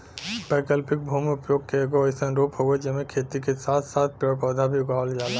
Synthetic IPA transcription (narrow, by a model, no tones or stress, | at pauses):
bɛːkəlpɪk̚bʱuːmʊpjoːɡkeeɡoɐɪsənɾoːpɦoɡed͡ʒɛɦmẽkʰeːt̪ikesaːt̪ʰsaːt̪̚ʰpjɔɾpəd̪ʱabʱiʊɡaːld͡ʒaːla